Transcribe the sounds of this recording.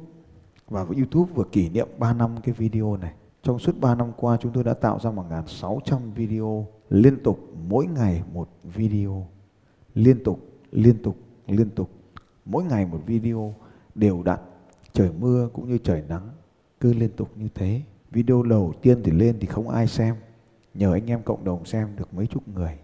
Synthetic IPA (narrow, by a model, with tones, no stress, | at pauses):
vaː˨˩və˨˦jʔi˧t̪u˦˥p̚vɨ˨˩əki˧˩nḭ˧˨əmɓaː˧na˧mkaː˨˦jvi˧ɗi˧o˧na˨˩j | t͡ɕɔ˧wŋ͡msu˦˥ət̚ɓaː˧na˧mkwaː˧t͡ɕʊ˨˦ŋ͡mt̪o˧jɗa̰ː˧˥t̪a̰ː˧˨wzaː˧mo˨˩ŋaː˨˩nsa˨˦wt͡ɕa˧mvi˧ɗi˧ʔo˧ | li˧ənt̪ʊ˨˩k͡p̚mo̰˧˥jŋa˨˩jmo˨˩t̚vi˧ɗi˧o˧ | li˧ənt̪ʊ˨˩k͡p̚ | li˧ənt̪ʊ˨˩k͡p̚ | li˧ənt̪ʊ˨˩k͡p̚ | mo̰˧˥jŋa˨˩jmo˨˩t̚vi˧ɗi˧o˧ | ɗe˨˩wɗa̰ː˨t̚ | t͡ɕəː˧˩jmɨ˧əkʊ̰˧˥ŋ͡mɲɨ˧t͡ɕəː˧˩jna˨˦ŋ | kɨ˨˦li˧ənt̪ʊ˨˩k͡p̚ɲɨ˧t̪ʰe˨˦ | vi˧ɗi˧o˧ɗə˨˩wt̪i˧ənt̪ʰi˨˩le˧nt̪ʰi˨˩xə˧wŋ͡mʔa̰ː˧jsɛ˧m | ɲəː˨˩ʔa˧jŋ̟ʔɛ˧mkə̰˧˨wŋ͡mɗə˨˩wŋ͡msɛ˧mɗɨ˨˩ək̚mə˨˦jt͡ɕʊ˦˥t̚ŋɨ˨˩əj